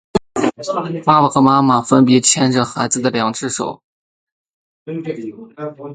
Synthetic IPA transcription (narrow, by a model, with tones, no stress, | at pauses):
pa˥pa˨˩xə˧˥ma˥ma˨˩fə˥npɛ˧˥t͡ɕʰjɛ˥nʈ͡ʂə˩xa˧˥ɪd͡zɹ̩˧˨d̪ə˩ljɑ˨˩ŋʈ͡ʂɻ̩˥˩ʂo̰˨˩ʊ